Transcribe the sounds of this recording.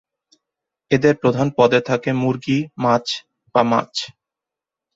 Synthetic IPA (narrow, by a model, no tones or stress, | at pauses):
ed̪eɾpɾod̪ʱanpɔd̪et̪ʰakemuɾɡimat͡ɕ | b̥ama̰t͡ɕ